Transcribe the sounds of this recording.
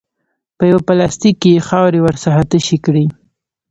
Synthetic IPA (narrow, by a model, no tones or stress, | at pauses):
pəjawapalɑst̪ikːejexɑwɾewəɾsaɦat̪əʃikɽi